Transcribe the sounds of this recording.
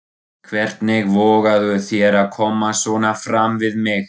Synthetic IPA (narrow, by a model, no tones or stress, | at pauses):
kʰvɛr̥t̪nɪɣvɔːɣaðʏθjɛɾaðkʰɔːmasvɔːnafɾamvɪðmɪx